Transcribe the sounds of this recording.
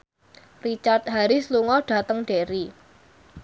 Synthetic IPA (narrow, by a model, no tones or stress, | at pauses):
rit͡ʃart̪̚ɦaɾɪsluŋɔɖ̥a̤t̪əŋɖ̥eɾi